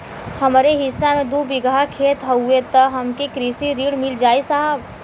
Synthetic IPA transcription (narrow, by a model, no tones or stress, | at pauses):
həmɾeɦɪsːamẽd̪ubɪɡakʰeːt̪ɦəuet̪əɦəmkikɾiːsiɾiːɽmɪld͡ʒaːisəɦəb